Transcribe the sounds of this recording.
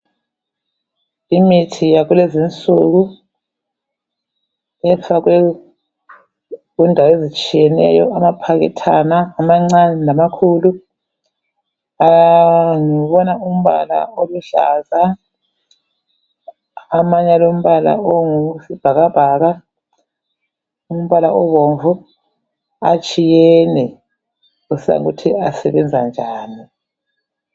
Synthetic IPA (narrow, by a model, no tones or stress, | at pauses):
imitʰijaɣulezint͡sʼuɣu | ɛfaɣ̬wɛ | ɣundʱawezit͡ʃʼijɛnɛ̰jɔ̰amapʰaɣɛ̰tʰanaːmaŋ͡ǀanɛnamakʰulu | ajŋiβɔnaum̩βa̰la̰oluɬa̰ːza | maɲalom̩βala̰oŋusib̥ʱaɣab̥ʱaːɣa | um̩βalaɔβɔɱvu | at͡ʃʼijɛnɛ | usia̰ŋutʰiasɛβɛnd͡zʱa̰nd͡ʒʱaːni